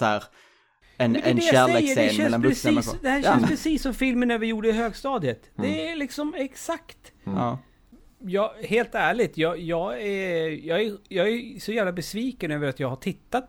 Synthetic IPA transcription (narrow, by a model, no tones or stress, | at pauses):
æːɾ | ɛnɛnd̪jaæːɭsɛeːjkːəɖeɛːnmɛɛlːanpɾɛiːsd̪ɛhæɛnspʰɾɛsiːsːɔmfɪlmənævɪjuːɖəɪɦøːɡst̪ɑːd̪ət̪d̪ɛælɪksɔmɛksakt̪ː | jɑːheːlt̪æːɭɪɡ̚t̪jɑːjɑːɡæjɑːɡæjɑːɡæɾsɔjæːvlabɛsviːkənøːvəɾat̪jɑːɡhaʈʰɪt̪ːat̪̚